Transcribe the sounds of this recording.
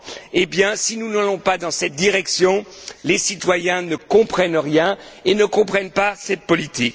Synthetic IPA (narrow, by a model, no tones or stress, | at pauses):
ebjɛ̃sinunalɔ̃pad̪ɑ̃sɛt̪̚d̪iʁɛksjɔ̃lesit̪wajɛ̃nəkɔ̃pχɛnʁjɛ̃enəkɔ̃pχɛnpasɛt̪̚pɔlit̪ik